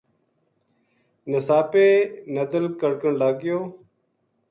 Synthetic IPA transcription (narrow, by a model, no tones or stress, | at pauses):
nəsaːpeːnəd̪əlkəɽkəɳlaːɡɪjoː